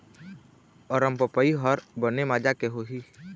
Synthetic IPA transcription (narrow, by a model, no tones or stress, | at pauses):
ɔɾəmpəpəiɦɔɾbənemaːd͡ʒakeɦoːɦiː